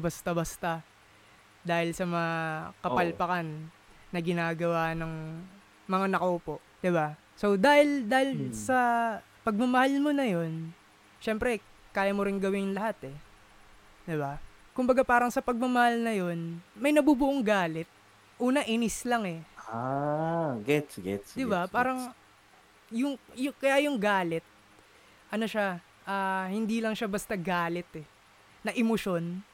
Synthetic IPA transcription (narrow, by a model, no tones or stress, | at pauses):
bɐst̪ɐbɐst̪ɐ | d̪aːhɪlsɐmɐŋakɐpɐlpɐkanː | ɐɡɪnaːɡɐwaːnɐŋ | mɐŋanɐkoːpo̞ʔ | d̪̥ɪba | so̞d̪aːhɪld̪aːhɪlsɐ | pɐɡ̚mɐmɐhalmo̞nɐjo̞n | ʃɛmpɾɛ | kaːjɐmoɾɪnɡɐwɪnlɐhat̪ɛ | d̪ɪbakʊmbɐɡapaːɾɐŋsɐpɐɡ̚mɐmɐhalnɐjo̞nmɐjnɐbubʊʔoŋɡaːlɛt̪̚ | ʔuːnɐʔɪnɪslɐŋɛa | ɡɛtsɡɛsd̪ɪbapaːɾɐŋ | jʊŋjʊkɐjajʊŋɡaːlɛt̪̚ | ʔɐno̞ʃa | ʔaːhɪnd̪ilɐŋʃabɐst̪aɡaːlɛt̪ɛ | nɐʔɪmoʃo̞n